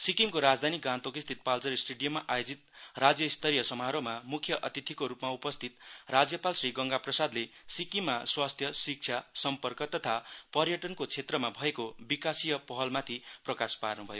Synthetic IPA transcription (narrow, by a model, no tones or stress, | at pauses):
sikimkoɾad͡zd̪ʱaniɡãnt̪okist̪ʰit̪̚palt͡sʌɾisʈeɽijʌmːaʔajod͡zit̪̚rad͡zjʌist̪ʰʌɾijʌsʌmɦaɾomamukʰjʌʔʌt̪it̪ʰikoɾupmaupʌst̪ʰit̪rad͡zjʌpalsriɡʌŋɡaprʌsad̪lesikimːaswast̪ʰjʌsik̚t͡sʰjasʌmpʌrkʌt̪ʌt̪ʰapʌrjʌʈʌnkot͡sʰet̪rʌmabʱʌekobikasijʌpʌɦʌlmat̪ʰiprʌkasparnubʱʌjo